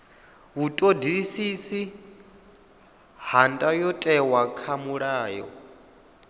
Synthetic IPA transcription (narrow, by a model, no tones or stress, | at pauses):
βutʼodiɺisisi | handʼajɔtʼɛwakʰamuɺaːjɔ̰